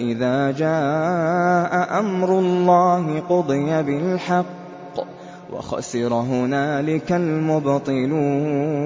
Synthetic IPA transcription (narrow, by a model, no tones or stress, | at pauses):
ʔɪðaːd͡ʒaː | ʔaʔamɾʊlːɑːɦɪqʊd̪ˤɨjabɪlħɑqː | wɑ̰xɑ̰sɪɾˤɑɦʊnaːlɪkalmʊbt̪ˤɨluː